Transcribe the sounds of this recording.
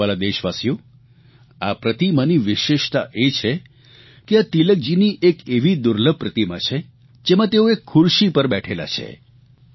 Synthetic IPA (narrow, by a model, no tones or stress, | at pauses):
alad̪eʃʋasjo | apɾət̪imaniʋɪʃeʃt̪a̰ʔet͡ʃʰe | keat̪ilək̚d͡ʒiniʔekeʋid̪ʊɾləb̚pɾət̪ima̰t͡ʃʰe | d͡ʒemãt̪eoekʰːʊɾʃipəɾbɛʈʰela̰t͡ʃʰḛ